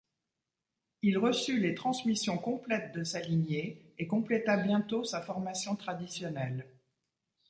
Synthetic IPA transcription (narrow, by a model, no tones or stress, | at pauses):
ilʁəsylet̪χɑ̃smisjɔ̃kɔ̃plɛt̪̚d̪əsalinjeː | kɔ̃plet̪abjɛ̃t̪osafɔʁmasjɔ̃t̪χad̪isjɔnɛl